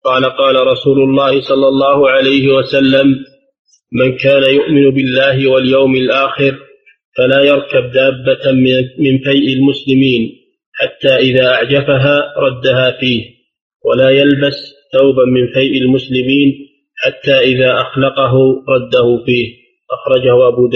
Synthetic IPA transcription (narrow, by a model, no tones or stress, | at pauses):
qɑːlaqɑːlaɾˤɑsuːlʊlˤːɑːhɪsˤɑlːɑlˤːɑːhʊʕalajhɪwasalːamː | ankaːnajʊʔmɪnʊbɪlːaːɦɪwaljawmɪlʔaːxɪɾ | falaːjɑɾˤkab̚d̪aːbːamɪnfajʔɪlmʊslɪmiːn | ħat̪ːaːʔɪðaːʔaʕd͡ʒafaɦaːɾˤɑd̪ːaɦaːfiːh | walaːjalbasθawbamɪnfajʔɪlmʊslɪmiːn | ħat̪ːaːʔɪðaːʔaxlɑqɑɦʊɾˤɑd̪ːahʊfiːh | ʔaxɾˤɑd͡ʒahʊʔabuːd̪aː